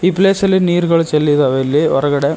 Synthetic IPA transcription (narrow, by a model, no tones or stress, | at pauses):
ipːleːsɐleniːɾɣɐɭt͡ʃɛlːiðɐʋelːeʋɐɾɐɣɐɽɐ